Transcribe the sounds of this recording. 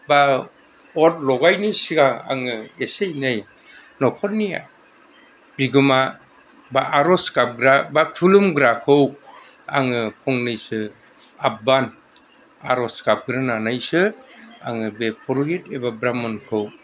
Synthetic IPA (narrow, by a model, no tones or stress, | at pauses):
ba | ɔt̚lɔɡajnisiɡaa̰ŋɯesejnɯj | nɔkʰɔnia̰ | biɡɯma | baʔaɾɔskap̚ɡɾabatʰulumɡɾakʰɯw | a̰ŋɯpʰɔŋnɯjsɯ | aban | a̰ɾɔskap̚ɡɯɾɯnanajsɯa̰ŋɯbepʰɔɾɡetebabɾamɔnkʰɯw